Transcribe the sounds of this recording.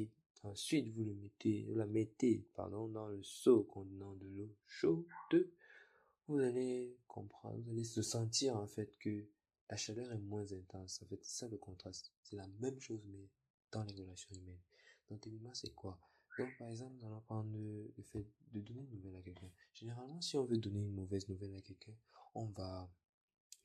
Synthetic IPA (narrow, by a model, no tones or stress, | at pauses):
e | ɑ̃sɥit̪vuləmet̪evṵlamɛt̪epa̰ʁd̪ɔ̃d̪ɑ̃ləsokɔ̃d̪ənɑ̃d̪əloʃod̪̥ø | vuzalekʰɔ̰̃pχɑ̰̃vuzalesəsɑ̃t̪iʁɑ̃fɛt̪kə | lʔaʃalœʁɛmwɛ̃zɛ̃t̪ɑ̃sɑ̃fɛt̪sɛ̥saləkɔ̃t̪χast̪sɛlamɛmʃozmɛ | d̪̥ɑ̃leʁəlasjɔ̃ymɛnd̪̥ɔ̃keminmɑ̃sɛkwa | d̪̥ɔ̃k̚paʁɛɡzɑ̃pnuzalɔ̃pal̃dələfɛt̪̚d̪əd̪ɔneynːuvɛlakɛlkɛ̃ʒ̥eneʁalmɑ̃siɔ̃vød̪ɔneynmovɛznuvɛlakɛlkɛ̃ɔ̃va